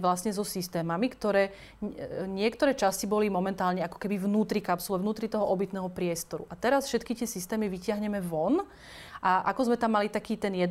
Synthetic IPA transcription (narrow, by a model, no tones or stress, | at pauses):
ʋlasɲɛzɔsist̪ɛːmamikt̪ɔɾɛː | ɲɪɛkt̪ɔɾɛːt͡ʃascibɔlimɔmɛnt̪aːlɲɛakɔ̥kɛbivnuːt̪ɾikapsɔlɛvnuːt̪ɾit̪ɔɦɔʔɔbit̪nɛːɦɔpɾɪɛst̪ɔɾṵʔat̪ɛɾasfʃɛt̪̚kit̪ɪɛsist̪ɛːmiʋicɪaɦɲɛmɛʋɔn | ʔaʔakɔzmɛt̪amːalit̪akiːt̪ɛnjɛd̪